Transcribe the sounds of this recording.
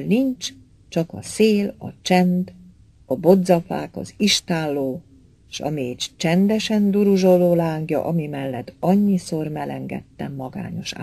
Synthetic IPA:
nint͡ʃ | t͡ʃɒkɒseːlɒ̰t͡ʃɛnd̪ | ɒbo̞d̪zɒfa̰ːkɒ̰ziʃt̪aːlːoː | eʃɒ̰meːt͡ʃt͡ʃɛnd̪ɛʃɛnd̪uɾuʒo̞loːlaːŋɡjɒ̰ʔɒmimɛlːɛt̪ːɒɲːiso̞rmɛlɛŋɡɛ̰t̪ːɛmːɒɡa̰ːɲo̞̰ʃa̰

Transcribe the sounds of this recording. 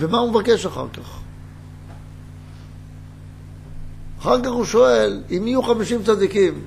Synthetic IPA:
vemaumevake̞ʃaχa̰ʁkaχ | aχaʁkaχuʃo̞e̞limijuχamiʃimt͡sad̪ikim

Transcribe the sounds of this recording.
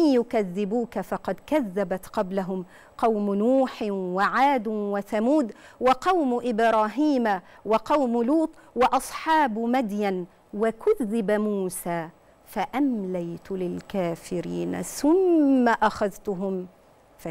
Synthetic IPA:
njʊkaðːɪbuːkafɑqɑd̪kaðːabat̪qɑblaɦʊm | qɑwmnuːħɪwaʕaːd̪waθamuːd̪ | wɑqɑwmʊʔɪbɾˤɑːɦiːmawɑqɑwmluːt̪ˤwɑʔɑsˤħɑːbmad̪jan | wakʊðːɪbamuːsaː | faʔamlajt̪ʊlɪlkaːfɪɾḭːna̰θʊmːaʔaxaðt̪ʊɦʊm | fa

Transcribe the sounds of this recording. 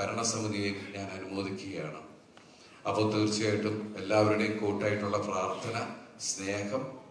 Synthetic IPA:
ɐɾɐɳɐsɐmud̪ʱijimɲaːnɐnumoːðikʲːuɣɐjaːɳɨ | ɐpːoːt̪uːɾt͡ɕːɐjaːjiʈːume̞lːaːʋɐɾuɽejumkoːʈːaːjiʈːuɭːɐpraːrt̪ʰɐnɐsne̞ːhɐm

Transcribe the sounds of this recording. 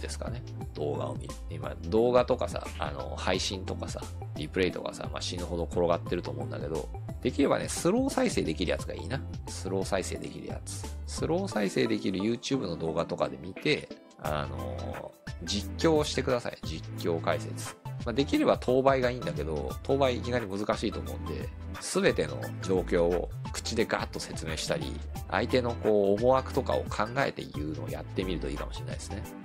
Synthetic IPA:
d̪̥e̞sɨ̥ka̰ne̞ | d̪̥o̞ːɡa̰o̞̰mʲiɾɯ̟ima̰d̪o̞ːɡat̪o̞kasa̰a̰no̞̰haiɕĩnt̪o̞kasa̰ | ɾʲipɯ̟ɾe̞it̪o̞̰ka̰sa̰ma̰ɕĩnɯɦo̞d̪o̞kʰo̞ɾo̞ɡat̪ːe̞ɾɯ̟t̪oːmõ̞ɯ̃nd̪a̰ke̞d̪o̞̰ | d̪̥e̞kʲiɾe̞ba̰nesɨɾo̞ːsaise̞ːd̪e̞kʲiɾɯ̟jat͡sɨɡa̰ḭːnasɨɾo̞ːsaise̞ːd̪e̞kʲiɾɯ̟̰ja̰t͡sɨ̥sɨɾo̞ːsaise̞ːd̪e̞kʲiɾɯ̟jɯ̟ːt͡ɕɨːbɯ̟nod̪o̞ːɡat̪o̞kad̪e̞mʲit̪e̞ | a̰no̞̰ | d͡ʑikʲːo̞ːɕi̥t̪e̞kɯd̪asa̰ḭd͡ʑikʲːo̞ːkaise̞t͡sɨ̥mad̪e̞kʲiɾe̞bat̪ʰo̞ːbaiɡaĩːnd̪ake̞d̪o̞̰t̪ʰo̞ːbaiikʲinaɲ̟imɯzɨkaɕiːt̪o̞ːmoːɯ̃nd̪e̞̰ | sɨbe̞t̪e̞no̞̰d͡ʑo̞ːkʲo̞̰ː | kɯ̥t͡ɕid̪e̞ɡa̰t̪ːo̞se̞t͡sɨme̞ːɕi̥t̪aɾʲḭ | a̰it̪e̞no̞ko̞ːmo̞akɯ̟̥t̪o̞ka̰o̞̰kʰãŋɡae̞̰t̪e̞̰jɯ̟ːno̞̰ːja̰t̪ːe̞mʲiɾɯ̟t̪o̞iːkamo̞ɕiɾenaid̪esɨne̞

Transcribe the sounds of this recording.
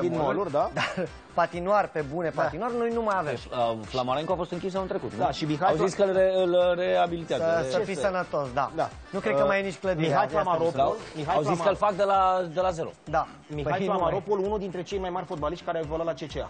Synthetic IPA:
iolurd̪ad̪a | pat̪inuarʲpe̞bune̞painwarnojnumajaveməflamoɾeŋkoafo̞st̪ɨŋkʲis̬əɨnt̪ɾe̞kut̪d̪aʃimixaawzzisʲkəleɨlreabilit̪eazsəfisənət̪o̞sd̪a̰d̪a̰ | nukɾed̪kəmajnit͡ʃʲkləd̪imixajflamaɾoolmixajawzskəlfak̚d̪elad̪elaze̞ɾo̰d̪a | mixajlamaɾopolunud̪int̪ɾe̞t͡ʃejmajmarʲfot̪̚baliʃt̪ʲkaɾeawvolalat͡ʃe̞t͡ʃea̰

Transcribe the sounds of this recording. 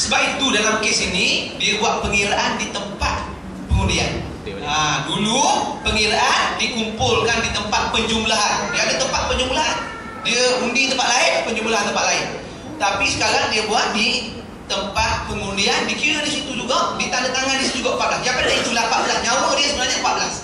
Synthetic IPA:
səbapit̪udalamkesinidiabuat̪̚pəŋiɾaʔandit̪əmpat̪̚ | pəŋundian | adulupəŋiɾaʔandikumpʊlkandit̪əmpat̪̚pəɲd͡ʒumlaɦandiaadat̪əmpat̪̚pəɲd͡ʒumlaɦan | diaundit̪əmpat̪̚laɪnpəɲd͡ʒumlaɦant̪əmpat̪̚laɪn | t̪apisə̥kaɾaŋdiabuat̪̚di | t̪əmpat̪̚pəŋundiandikiuɾadisit̪ud͡ʒuɡadit̪anat̪aŋandisit̪d͡ʒuɡaʔmpaʔ̚lakiapandiait̪ulampaʔ̪̚bəlasɲawadiasəbənaɲampat̪̚bəlas

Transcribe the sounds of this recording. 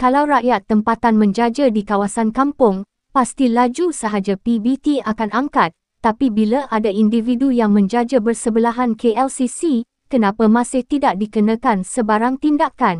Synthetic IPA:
kalawɾaʔjat̪ːəmpat̪anmə̃ɲd͡ʒad͡ʒadikawasankampʊŋ | past̪ilad͡ʒusəɦad͡ʒapibit̪iakanaŋkat̪ːapibilaʔadaindividujaŋmə̃ɲd͡ʒad͡ʒabərsəbəlaɦankʰeɛlsisi | kənãpamãsɪht̪idaʔ̚dikənãkansəbaɾaŋt̪indakan

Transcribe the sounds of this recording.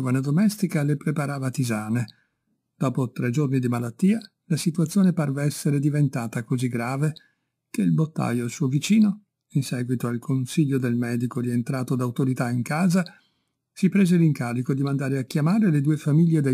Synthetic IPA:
ovaned̪omɛst̪ikalepɾepaɾaːvat̪izaːne | d̪̥ɔːpot̪ɾɛd͡ʒornid̪imalat̪ːiːa | lasit̪uat̪sːjoːneparveɛsːeɾed̪ivent̪aːt̪akoziɡːɾaːve | k̟eilbot̪ːa̰joalsuovit͡ʃiːno | insɛːɡwit̪oalkʰonsiʎːod̪elmɛːd̪ikoɾient̪ɾaːt̪od̪awt̪oɾit̪aiŋkaːza | sipɾeːzeliŋkaːɾikod̪imand̪aːɾeakːjamaːɾeled̪uːefamiʎːed̪e

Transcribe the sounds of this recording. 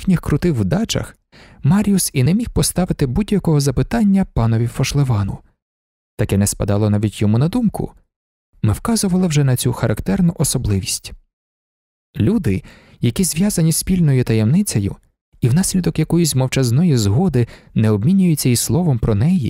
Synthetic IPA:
xnʲixkɾʊt̪ɪxwd̪ɑt͡ʃɐ̰x | mɑɾʲiusinɛmʲixpɔst̪ɑʋɪt̪ɪbudʲjɐkɔɦɔzɐpɪt̪ɑnʲːɐpɑnɔʋʲifɔʃlˠeʋɑnʊ̰ | t̪ɐkɛnɛspɐ̰d̪ɑlˠɔnɑʋʲitʲjɔmunɐd̪umkʊ̰ | mɪwkɑzʊʋɐlˠɪwʒɛnɐt͡sʲuxɐɾɐkt̪ɛrnʊʔɔsɔblˠɪʋʲisʲtʲ | lʲud̪ɪ | jɐkʲizʋʲjɑzɐnʲisʲpʲilʲnɔjʊt̪ɐjɛmnɪt͡sʲɐjʊ̰ | iwn̪ɑsʲlʲid̪ɔkjɐkɔjʊsʲmɔwt͡ʃɐznɔjizɦɔd̪ɪnɛɔbmʲinʲʊjʊt͡sʲːɐislˠɔʋɔmpɾɔnɛjḭ

